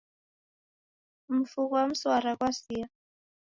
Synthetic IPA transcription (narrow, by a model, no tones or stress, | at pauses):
m̩fukwam̩swaɾakwasia